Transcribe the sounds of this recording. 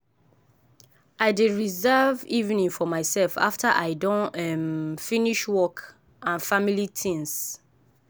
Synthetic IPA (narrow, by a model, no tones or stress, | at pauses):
aɪdeɹizɛvivnĩŋfɔmaɪsɛlfa̰ftʰaʔaɪdɔ̃nɛmfĩniʃwɔk | ãnfamilitʰĩŋs